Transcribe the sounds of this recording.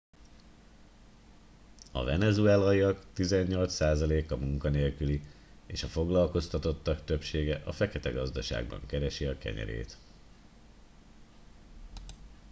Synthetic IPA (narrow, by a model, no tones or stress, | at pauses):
ɒ̰vɛnɛzuɛlɒjiɒkt̪izɛɲːo̞lt̪saːzɒleːkɒmuŋkɒneːlkyli | eːʃɒfo̞ɡlɒlko̞st̪ɒt̪o̞t̪ːɒkt̪ø̞pʃeːɡɛʔɒfɛkɛt̪ɛɡɒzd̪ɒʃa̰ːɡbɒ̰ŋkɛɾɛʃiɒkɛ̰ɲɛ̰ɾḛːt̪